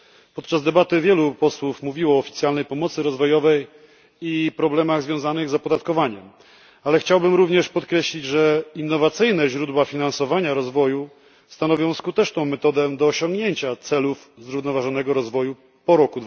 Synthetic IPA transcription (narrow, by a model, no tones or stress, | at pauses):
pɔt̪t͡ʂazd̪ɛbat̪ɘvʲjɛlupɔswufmuvʲiwɔːfʲit̪sʲjalnɛjpɔmɔt̪sɘɾɔzvɔjɔvɛj | ipɾɔblɛmaɣzvʲjɔ̃w̃zanɘɣzapɔd̪at̪kɔvaɲɛm | alɛxt͡ɕawbɘmɾuvɲɛʂpɔt̪kɾɛɕlʲid͡ʑʐɛinːɔvat̪sɘjnɛʑɾud̪wafʲinansɔvaɲaɾɔzvɔju | st̪anɔvʲjɔ̃w̃skut̪ɛt͡ʂnɔ̃w̃mɛt̪ɔd̪ɛd̪ɔːɕɔ̃ŋɡɲeɲt͡ɕat̪sɛluf | zɾuvnɔvaʐɔn̪ɛɡɔɾɔzvɔju | pɔɾɔkud̪